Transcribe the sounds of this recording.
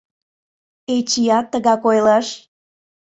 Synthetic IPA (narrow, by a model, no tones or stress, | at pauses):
et͡ɕijɑt̪ːəɣɑkojlɑʃ